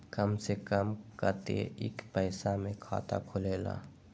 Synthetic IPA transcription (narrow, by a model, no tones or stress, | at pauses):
kəmsekəmkəɾt̪ḛʔɪkpɛɪsamẽkʰa̰ːt̪a̰kʰʊleːla̰ː